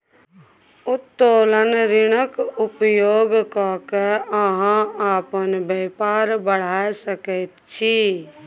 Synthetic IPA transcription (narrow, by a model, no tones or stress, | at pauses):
ʊt̪ːoːlənɾɪɽ̃əkʊpjoːɡkakeəɦãaːpənbeːpaːɾbəɽ̤aːsəkɛt̪t͡ʃʰiː